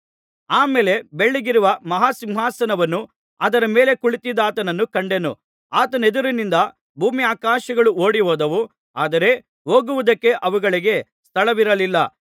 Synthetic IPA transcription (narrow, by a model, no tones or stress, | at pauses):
aːmeːle̞be̞ɭːiɡiɾuʋɐmɐɦaːsimʋaːsɐnɐʋɐnːu | ɐd̪ɐɾɐmeːle̞kuɭit̪id̪aːt̪ɐnɐnːukɐɳɖe̞nṵ | aːt̪ɐne̞d̪uɾunind̪ɐ | bʱuːmiaːkaːʃɐɡɐɭuo̞ːɽiɦoːd̪ɐʋu | aːd̪ɐɾe̞ | ɦoːɡuʋud̪ɐkːe̞ʔɐʋuɡɐɭiɡe̞ | st̪ʰɐɭɐʋiɾɐlilːɐ